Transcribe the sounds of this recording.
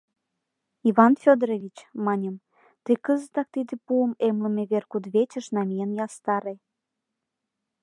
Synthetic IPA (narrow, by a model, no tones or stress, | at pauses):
iβɑnfʲod̪ɾoβʲit͡ɕmɑnʲəm | t̪əkəzə̆t̪ɑk̚t̪id̪ĕpuəmemlə̆meβerkud̪βet͡ɕə̆ʃnɑmijənjɑst̪ɑɾe